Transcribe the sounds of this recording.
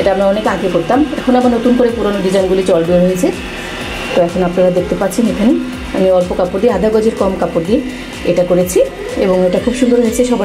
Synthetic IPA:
eʈaamɾaɔnekãɡekoɾt̪amɛkʰonamaɾnot̪unkoɾepuɾonoɖid͡ʑajnɡulit͡ɕɔlɖuoɾiet͡ɕʰe | t̪oɛkʰonapnaɾad̪ekʰt̪epatːt͡ɕʰenekʰane | amiɔlpokapoɾd̪iead̪ʱaɡɔd͡ʑʱeɾkɔmkapoɾd̪ie | ḛʈakoɾet͡ɕʰi | eboŋeʈakʰubʃund̪oɾɦoet͡ɕʰeʃɔba

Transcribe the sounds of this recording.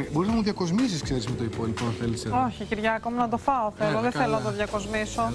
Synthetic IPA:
ebo̞ɾiznɐmuðjɐko̞zmisiskseɾizmet̪o̞ipoliponɐnθeliseoçiciɾʝɐːkominɐt̪ofɐoθeɾoðeθelonɐt̪oðʝɐko̞zmiso̞

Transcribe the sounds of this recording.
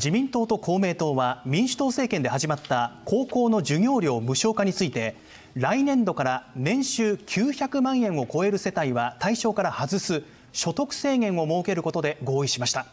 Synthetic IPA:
d͡ʑimʲĩnt̪o̞ːt̪o̞kʰo̞ːme̞ːt̪o̞ːβamʲĩɰ̃ɕɨ̥t̪oːse̞ːkẽ̞nd̪e̞haʑimat̪ːakʰo̞ːko̞ːno̞ʑɨɲʲo̞ːɾʲjo̞ːmɯ̟ɕo̞ːkaɲ̟it͡sɨit̪e̞ | ɾainẽ̞nd̪o̞kaɾanẽ̞ɰ̃ɕɨːkʲʰɨːçakɯ̟mãɰ̃ẽ̞ɰ̃o̞ko̞e̞ɾɯ̟se̞t̪aiβat̪aiɕo̞ːkaɾahazɨsɨ | ɕo̞t̪o̞kɯ̟̥se̞ːŋẽ̞ɰ̃o̞mo̞ːke̞ɾɯ̟ko̞t̪o̞d̪e̞ɡo̞ːiɕimaɕi̥t̪a

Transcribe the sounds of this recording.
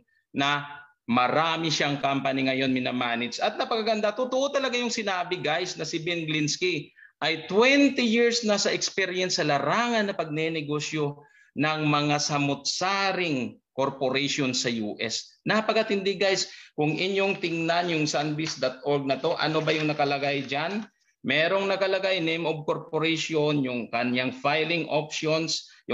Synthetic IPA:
nɐ | mɐɾaːmɪʃaŋkampɐniŋɐjo̞nmɪnɐmaːnɪsɐt̪̚nɐpɐkɐɡɐnd̪at̪ʊt̪ʊʔot̪ɐlɐɡajʊŋsɪnaːbɪɡajsnɐsɪbɛnɡlɪnskiʔɐjt̪wɛnt̪ɪjiɹsnɐsɐʔɛkspɛɾjɛnsːɐlɐɾaːŋɐnːɐpɐɡ̚nɛnɛɡo̞ːʃjo̞ | nɐŋmɐŋasɐmʊt̪̚saːɾɪŋkoɾpoɾɛʃonsɐjṵːʔɛsnɐɐpɐkɐt̪ɪnd̪iɡajskʊŋʔɪɲjo̞ŋt̪ɪŋnanjʊŋsanbisd̪ɐt̪̚ʔoɾɡ̚nɐt̪o̞ʔɐ̰no̞bɐjʊŋnɐkɐlɐɡajd͡ʒan | mɛːɾo̞ŋnɐkɐlɐɡajnejmʔob̚ko̞ɾpoɾɛjʃonjʊŋkɐnjaŋfajlɪŋʔopʃonsjʊ

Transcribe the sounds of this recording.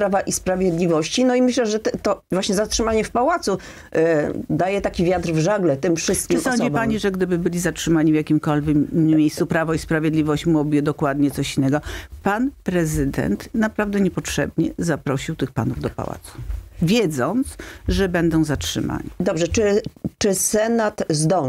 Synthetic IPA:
pɾavaʔispɾavʲjɛd̪lʲivɔɕt͡ɕinɔimɘɕlɛʐɛt̪t̪ɔvwaɕɲɛzatʂɘmaɲɛfpawat̪su | d̪ajɛt̪akʲivʲjat̪ɾvʐaɡlɛt̪ɘmfʂɘst̪̚kʲɨsɔɲd͡ʑipaɲiʐɛɡd̪ɘbɘbɘlʲizatʂɘmaɲivjakʲimkɔlvʲɛkːmʲjejst̪supɾavɔispɾavʲjeɛd̪lʲivɔɕt͡ɕmuɔbjɛd̪ɔkwad̪̚ɲɛt̪sɔɕinːɛɡɔpanpɾɛzɘd̪ɛ̰nt̪napɾavd̪ɛɲɛpɔtʂɛ̰bɲɛ̰zapɾɔɕiwt̪ɘxpa̰nuvd̪ɔpa̰wa̰t̪su̥vʲjɛd̪zɔnt̪sʐɛbɛnd̪ɔ̃w̃zatʂɘ̰mʔa̰ɲid̪ɔbʐɛt͡ʂɘt͡ʂɘsɛnat̪zd̪ɔ

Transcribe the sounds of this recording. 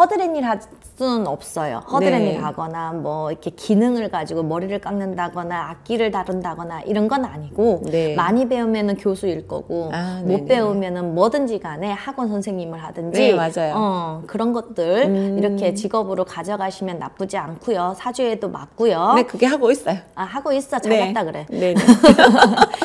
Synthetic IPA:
hʌdɯɾeɲiɭɦa | s͈unɯnʌp̚s͈ʌjo̰hʌdɯɾeɲiɭɦaɡʌnamwʌikʰe̞kinɯŋɯɭɡad͡ʑiɡomʌɾiɾɯɭk͈aŋnɯndaɡʌnaːk̚k͈iɾɯɭtaɾɯndaɡʌnaʔiɾʌnɡʌnaɲiɡonemaɲibe̞umjʌnɯnkjosʰuiɭk͈ʌ̰ɡ̥omop͈e̞umjʌnɯnmʌdɯnd͡ʑiɡane̞haɡʌnsʰʌnsʰeŋɲimɯɭɦadɯnd͡ʑiad͡ʑajjʌkɯɾʌnɡʌt̚t͈ɯɭiɾʌkʰe̞t͡ɕiɡʌbɯɾokad͡ʑʌɡaɕʰimjʌnːa̰p͈ud͡ʑiankʰujosʰad͡ʑue̞doma̰t̚k͈ujonekɯɡe̞ɦaɡois͈ʌjoahaɡois͈ʌjt͡ɕʰaʌt͈aɡɯɾe̞ne

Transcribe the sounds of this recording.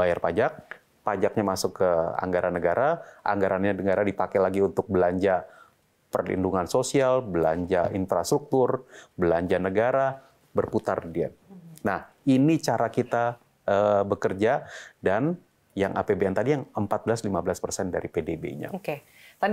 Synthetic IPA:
bajarpad͡ʒak̚ | pad͡ʒak̚ɲamasʊkːəa̰ŋɡaɾanəɡaɾaʔa̰ŋɡaɾanɲadəŋaɾadipakɛlaɡiunt̪ʊk̚bəlaɲd͡ʒa | pərlḭnduŋansosialbəla̰ɲd͡ʒainfɾast̪ɾuk̚t̪ʊrbəlaɲd͡ʒanəɡaɾa | bərput̪ardia̰n̚nah | init͡ʃaɾakit̪a | əbəkərd͡ʒadan | jaŋʔa̰pebeɛnt̪adijaŋəmpat̪̚bəlaslimabəlaspərsɛndaɾipedebḛɲa̰oke | t̪a

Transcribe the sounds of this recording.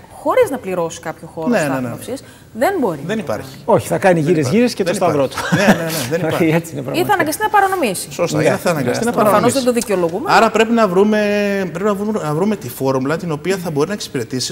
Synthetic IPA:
xo̞ɾiznɐpliɾo̞si̥kɐpçoxo̞nenɐeneɐfsis | ðe̞nbo̞ɾiðe̞nipɐ̰ɾçi̥oçi̥θɐkɐniʝiɾezʝiɾescet̪ot̪ɐðɾot̪u̥neneneðeniet͡sinepɾɐiθɐnɐŋɡɐst̪inɐpɐɾɐno̞misi̥sost̪ɐinɐθɐnɐŋɡɐst̪inɐpɐoɾɐɐmnozðed̪oðiceo̞lo̞ɣumeɐɾɐpɾe̞pinɐvɾume̞pɾepinɐvɾumnɐvɾume̞t̪ifo̞ɾumlɐt̪ino̞piɐθɐbo̞ɾinɐekse̥piɾe̞t̪isi̥

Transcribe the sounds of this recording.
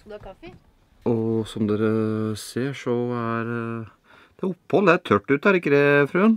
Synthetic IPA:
ɔsɔmd̪eːɾəseːʂɔæɾ | d̪̥ɛæɾʊpːhɔlːəæɾt̪ʰœʈːʉːt̪æɾɪkːəd̪ɛfɾʉːən

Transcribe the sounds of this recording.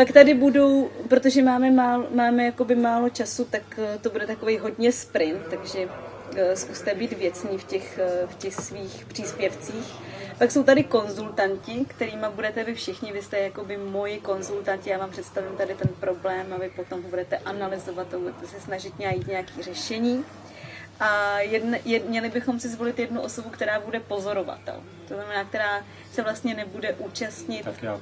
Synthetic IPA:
pakt̪adɪbudo̞wpɾo̞t̪oʒɛmaːmɛmaːlomaːmɛjakobɪmaːlo̞t͡ʃasut̪akt̪o̞budɛt̪ako̞vejɦo̞dɲɛspɾɪnt̪ːaɡʒɛ | skust̪ɛbiːt̪vjɛt͡sɲiːfcɛxfcɛxsviːxpr̝̥iːspjɛft͡siːx | pakso̞wt̪adɪko̞nzult̪ancɪkt̪ɛɾiːmabudɛt̪ɛvɪfʃɪxɲɪvɪst̪ɛjako̞bɪmo̞jɪko̞nzult̪ancɪjaːvaːmpr̥ɛt̪st̪avɪmt̪adɪt̪ɛnpɾo̞blɛːmavɪpo̞t̪o̞mɦobudɛt̪ɛʔanalɪzo̞vat̪ːabudɛt̪ɛsɛsnaʒɪt̪ɲaajiːt̪ɲɛjakiːr̝ɛʃɛɲiː | ʔajɛdnjɛmɲɛlɪbɪxo̞msɪzvo̞lɪt̪jɛdnuʔo̞so̞bukt̪ɛɾaːbudɛpo̞zo̞ɾo̞va̰t̪ɛ̰l | t̪oznamɛnaːkt̪ɛɾaː | sɛvlast̪ɲɛnɛbudɛʔuːt͡ʃast̪ɲɪt̪

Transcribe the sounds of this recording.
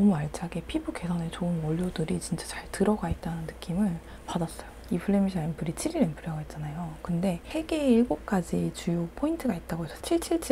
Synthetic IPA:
ʌmuaɭt͡ɕ͈ʰaɡe̞pʰibuke̞sʰane̞t͡ɕoɯmʌʎːodɯɾit͡ɕint͡ɕ͈ḁt͡ɕaɭtɯɾʌɡaet̚t͈anɯnːɯk͈imɯɭ | padas͈ʌjoipʰɯɭːemiɕʰiɾempʰɯɾit͡ɕʰiɾiɾempʰɯɾaɡoet̚t͡ɕ͈anajokɯnde̞e̞ɡe̞iɭɡok̚k͈ad͡ʑit͡ɕujopʰointʰɯɡait̚t͈aɡosʰʌ̥t͡ɕʰiɭt͡ɕʰiɭt͡ɕʰi

